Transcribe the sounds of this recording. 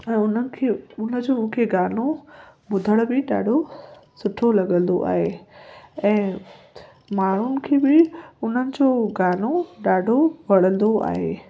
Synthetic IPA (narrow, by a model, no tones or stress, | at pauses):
ɛ̃ːʊnəɪ̆kʰeʊnə̆d͡ʑoːmũɦkʰeɡaːl̤oɓʊd̪ʱəɽ̃bɪɗa̰ːɖʱosʊʈʰolɐɠə̃nd̪o̰ʔa̰ːɦe | ɛ̃ː | maːɽ̤ʊnɪ̆kʰeːbɪʊn̤ənɪ̆d͡ʑoːɡaːl̤oɗaːɖʱoʋɐɽ̤ə̃nd̪oa̰ːɦḛː